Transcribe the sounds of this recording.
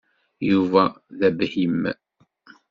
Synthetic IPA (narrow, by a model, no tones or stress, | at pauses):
juvæ | ðæbhim